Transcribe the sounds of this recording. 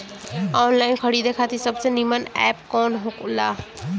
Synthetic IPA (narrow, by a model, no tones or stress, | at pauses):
ɔnlajnkʰəɽid̪ekʰat̪isəbsenimənɛp̚kɔnɦokula